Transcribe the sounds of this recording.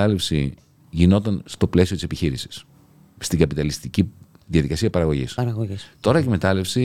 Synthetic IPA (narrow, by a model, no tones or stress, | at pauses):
ɐle̞fsi | ʝino̞t̪ɐnst̪o̞ple̞sio̞t̪ise̞piçiɾisi̥s | st̪iŋɡɐpit̪ɐlist̪ici | ðiɐðikɐsiɐpɐɾɐɣo̞ʝḭsɐɾɐɣoist̪o̞ɾɐkime̞t̪ɐle̞fsi